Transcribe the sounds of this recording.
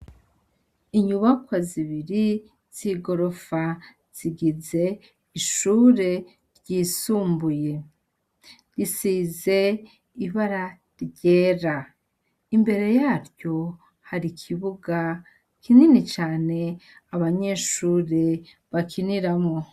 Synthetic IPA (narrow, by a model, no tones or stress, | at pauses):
iɲuβakwaziβiɾi | z̥iɡo̞ɾo̞fa | z̥iɡize̞ | iʃuːɾe̞ | ɾɟiːsuːmbuje̞ | ɾisize̞ | iβaɾa | ɾɟe̞ːɾa | imbe̞ɾe̞jaːɾɟo̞ | haɾikʰiβuɡa | kʰininit͡ʃaːne̞aβaɲe̞ʃuːɾe̞ | βakʰiniɾamŋo